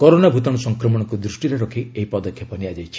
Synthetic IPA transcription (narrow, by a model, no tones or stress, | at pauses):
kɔɾonabʱut̪ɔɽ̃ɔsɔŋkɾɔmɔɽ̃ɔkud̪ɾusʈiɾeɾɔkʰieɦipɔd̪ɔkʰjɔpɔniad͡ʒajt͡ʃʰi̥